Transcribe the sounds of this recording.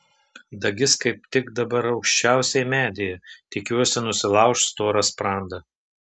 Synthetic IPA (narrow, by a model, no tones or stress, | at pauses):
d̪ɐɡʲɪskɐɪp̚t̪ʲɪkd̪ɐbɐɾɒʊkʃʲt͡ʃʲæˑʊsʲɛɪmʲæːd̪ʲɪjɛt̪ʲɪkʲuɔsʲɪnʊsʲɪlˠɑˑʊʃt̪st̪oːɾɐspɾɑˑnd̪ɐ